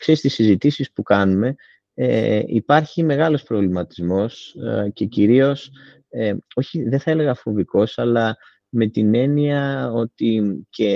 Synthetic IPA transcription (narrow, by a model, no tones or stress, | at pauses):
kse̞ɾist̪isizit̪isispukɐnume̞ | eḭpɐɾçime̞ɣɐlo̞spɾo̞vlimɐt̪i̥zmo̞sce̞ciɾio̞s | eo̞çiðeθɐele̞ɣɐfo̞viko̞sɐlɐ | me̞t̪ine̞niɐo̞t̪ice